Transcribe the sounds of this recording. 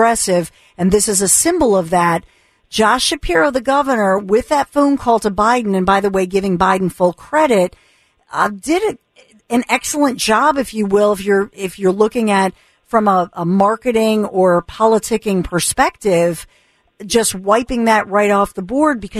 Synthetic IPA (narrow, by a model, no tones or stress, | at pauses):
ɛsɪv | ɨ̃nðɪsɨzɨsɪ̃mbl̩ˠʌvðɨt̚ | d̥ʒ̥ɑʃɨpʰɛɹoʊðɨɡʌvə˞nə˞wɪðɨtfõʊ̃nkʰɔlˠd̚tʰəbaɪdⁿn̩ɨ̃nbaɪðəweɪɡɪvɪ̃ŋbaɪdⁿn̩fʊlˠkʰɹ̥ɛɾɪt̚ | ʌdɪɾɪɾ | ɨ̃nɛksl̩ˠə̃nd̥ʒ̥ɑbɨfjɨwɪlˠəfjə˞ɪfjə˞lʊkɪ̃ŋɨt̚ | fɹʌ̃məʔəmɑɹkɨɾɪ̃ŋə˞pʰɑlˠətʰɪkɪ̃ŋpʰə˞spɛk̚tɪv̥ | d͡ʒʌst̚waɪpɪ̃ŋðɨʔ̚ɹaɪɾɔfðəbɔɹd̚bɨkʰʌ